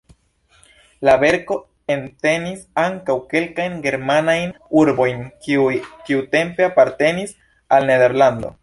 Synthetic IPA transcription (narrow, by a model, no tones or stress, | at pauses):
labe̞ɾko̞ | ente̞nisaŋkawke̞lkajnɡe̞ɾmanajnuɾbo̞jn | kiute̞mpe̞apaɾte̞nis | alne̞de̞ɾlando̞̰